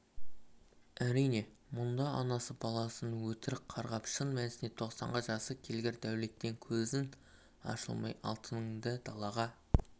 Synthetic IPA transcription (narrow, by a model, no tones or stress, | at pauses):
æɾijne̞mʊnd̪ɑɑnɑsəbɑlˠɑsənwɵt̪ɪɾɪp̚qʰɑɾʁɑpʃənmænsɪnet̪ʰo̞qsɑ̰ɴʁəʒɑsəkʲʰe̞lɡʲɪɾd̪æwle̞t̪ːe̞ŋkʲʰɵzɪn | ɑ̰ʃə̰lˠmɑ̰jɑ̰lˠt̪ʰənŋd̪əd̪̥ɑlˠɑʁɑ